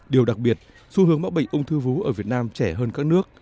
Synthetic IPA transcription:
ɗi˨˩əwɗa˨˩k̚ɓi˨˩ət̚ | su˧hɨ˨˦əŋmɓa˦˥ɓə̰˧˨jŋʔə˧wŋ͡mt̪ʰɨ˧vu˨˦ʔəː˧˩vi˨˩ət̚naː˧mt͡ɕɛ˧˩ɦəː˧nkaː˦˥k̚nɨ˦˥ək̚

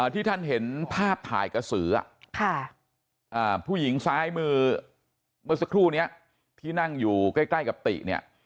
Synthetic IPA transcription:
ʔaː˧˩t̪ʰiː˥˩t̪ʰa˥˩nɦe˩˦npʰaː˥˩p̚t̪ʰa̰ː˩˦jka˧sɯː˩˦a̰˨˩kʰa˥˩ | ʔaː˧˩pʰuː˥˩ji˩˦ŋsaː˦˥jmɯː˧˩˧ | mɯː˧s̬a˧kʰɾuː˥˩ni˦˥ɐʔ | t̪ʰiː˥˩na˥˩ŋjuː˨˩kaː˥˩jkla˥˩jka˨˩p̚t̪ḭ˨˩ʔ̚ni˥˩ɐ

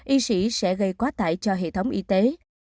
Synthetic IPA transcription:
ʔi˧sḭ˧˥sɛ̰˧˥ɣə˧jkwaː˨˦˥t̪a̰ː˧˨jt͡ɕɔ˧ɦḛ˧˨t̪ʰə˨˦wŋ͡mʔi˧t̪e˨˦

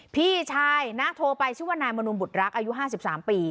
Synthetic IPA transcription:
pʰiː˥˩t͡ɕʰaː˧jna˦˥t̪ʰoː˧pa˧jt͡ɕʰɯː˥˩waː˥˩naː˧jma˧nu˧nbu˨˩t̪̚ɾa˦˥k̚ʔaː˧ju˦˥ʔɦaː˥˩s̬i˨˩p̚saː˩˦mpiː˧

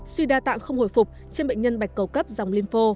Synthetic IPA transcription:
swi˧ɗaː˧t̪a̰ː˧˨ŋxə˧wŋ͡mho̰˧˩jfʊ˨˩k͡p̚ | t͡ɕe˧nɓḛ˧˨ɲə˧nɓa˨˩jk̟̚kə˨˩wkə˦˥p̚za˨˩wŋ͡mli˧nfo˧

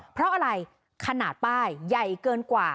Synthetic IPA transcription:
pʰɾɔ˦˥ʔa˧ɾa˧j | kʰa˧naː˨˩t̪̚paː˥˩jːa˨˩jkɤː˧nkwaː˨˩

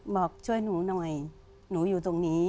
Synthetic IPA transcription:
bɔː˨˩k̚t͡ɕʰu˥˩əjnuː˩˦nɔ˨˩j | nuː˩˦juː˨˩t̪o˧ŋniː˦˥

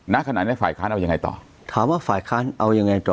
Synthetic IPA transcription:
na˦˥kʰa˧na̰ː˨˩t̚ni˦˥˩faː˨˩jkʰaː˦˥nʔa˧wja˧ŋa˧jt̪ɔ̰ː˨˩ | t̪ʰaː˩˦mwaː˥˩faː˨˩jkʰaː˦˥nʔa˧wja˧ŋa˧jt̪ɔː˨˩

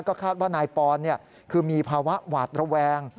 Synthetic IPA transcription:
kɔː˥˩kʰaː˥˩t̪̚waː˥˩naː˧jpɔː˧nːi˥˩ə | kʰɯː˧miː˧pʰaː˧wa˦˥ʔwaː˨˩t̪̚ɾa˧wɛː˧ŋ

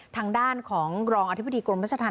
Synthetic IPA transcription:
t̪ʰaː˧ŋdaː˥˩nkʰɔː˩˦ŋɾɔː˧ŋʔa˧t̪ʰi˦˥ba˧˨diː˧kɾo˧mɾa˦˥˩a˧t̪ʰaː˧

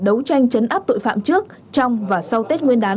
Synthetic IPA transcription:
ɗə˨˦wt͡ɕa˧jŋ̟t͡ɕə˨˦nʔaː˦˥p̚t̪o̰˧˨jfa̰ː˧˨mt͡ɕɨ˦˥ək̚ | t͡ɕɔ˧wŋ͡mvaː˨˩sa˧wt̪e˦˥t̚ŋwi˧ənɗaː˨˦

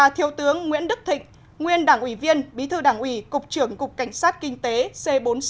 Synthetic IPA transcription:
a˨˧t̪ʰi˨˦əwt̪ɨ˨˦əŋːwi˧˥ənɗɨ˦˥k̚t̪ʰḭ̈˧˨ŋ̟ | ŋwi˧ənɗaː˧˩ŋʔwi˧˩vi˧ənɓi˨˦t̪ʰɨ˧ɗaː˧˩ŋʔwi˧˩kʊ˨˩k͡p̚t͡ɕɨ˧˩əŋkʊ˨˩k͡p̚ka˧˩jŋ̟saː˦˥t̚kï˧ŋ̟t̪e˨˦se˧ɓo˨˦n

